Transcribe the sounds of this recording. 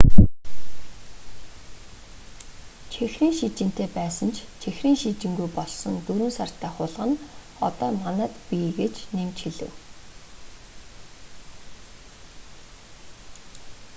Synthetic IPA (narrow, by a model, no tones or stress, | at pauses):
t͡ɕʰexriːŋʃit͡ɕɪ̆n̥t̪eːpæːsə̆nt͡ɕʰt͡ɕʰexriːŋʃit͡ɕɪ̆ŋɡujpɔɮsɞ̆nt̪ɵɾŭnsar̥t̪ʰæːχʊːɮʁə̆n | ɔ̰t̪ɔːmanæːt̪pʲiɡet͡ɕnemt͡ɕxiɮɘ̰̆w